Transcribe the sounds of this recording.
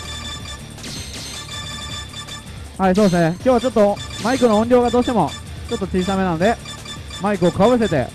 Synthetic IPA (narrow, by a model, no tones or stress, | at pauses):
hais̬oːd̪esɨnekʲjoːβat͡ɕo̞t̪ːomaikɯnoõɲdʲjoːɡad̪oːɕi̥t̪emo | t͡ɕo̞t̪ːo̞t͡ɕiisame̞nanod̪e̞ | maikɯ̟okɯβaβɯ̟s̬e̞t̪ḛ